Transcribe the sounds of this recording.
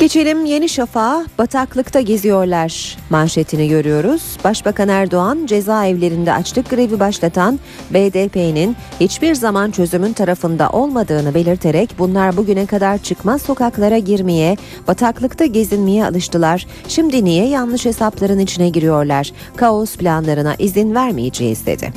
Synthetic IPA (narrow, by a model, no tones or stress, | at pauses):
ɟ̥e̞t͡ʃʰe̞lʲimje̞niʃafaːb̥at̪ʰaklˠɯkt̪ʰaɟe̞zijo̞ɾlˠaɾ̥manʃet̪ʰiniɟø̞ɾyjo̞ɾuz̥baʃbakʰanæɾd̪o̞and͡ʒe̞zaːɛvlʲe̞ɾind̪ɛat͡ʃlˠɯk̚ɡɯɾe̞vibaʃlˠat̪ʰan | beːd̪eːpʰeninhit͡ʃbiɾzamant͡ʃʰø̞zymynt̪ʰaɾafɯnd̪a̰ʔo̞lˠmad̪ɯːnɯbe̞lʲiɾt̪ʰe̞ɾɛcbunlˠaɾbuɟynɛkʰad̪aɾt͡ʃʰɯkmaso̞kaklˠaɾaɟiɾmejɛ | bat̪ʰaklˠɯkt̪ʰaɟezinmejɛa̰lˠɯʃt̪ɯlˠaɾ̥ | ʃimd̪inijɛjanlˠɯʃhe̞saplˠaɾɯnit͡ʃʰinɛɟiɾijo̞ɾlˠaɾ̥ | kʰaosplʲanlˠaɾɯna̰ʔizinvæɾmijed͡ʒɛ̰ːḭzd̪ḛd̪̥ɪ̰